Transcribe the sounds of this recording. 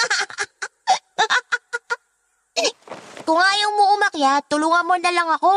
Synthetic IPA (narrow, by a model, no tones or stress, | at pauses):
kʊŋaːjowmoʔʊmɐkjat̪ʊlʊŋɐmonɐlaŋɐko